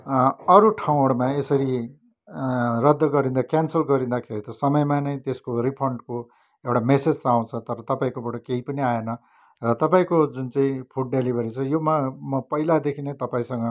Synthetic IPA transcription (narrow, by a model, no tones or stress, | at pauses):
ʌɾuʈʰaw̃oɽmaesʌɾi | rʌd̪ːʌɡʌɾĩnd̪akansʌlɡʌɾĩnd̪akʰeɾit̪ʌsʌmʌjmanʌĩt̪eskoripʰʌɳɖko | ewʈamesed͡zt̪ʌaw̃t͡sʰʌt̪ʌɾʌt̪ʌpaĩkobaʈʌkeipʌniaenʌ | rʌt̪ʌpaĩkod͡zunt͡saĩpʰuʈ̚ɖelibʱʌɾit͡sʰʌjomamʌpʌilad̪ekʰinet̪ʌpaĩsʌŋɡʌ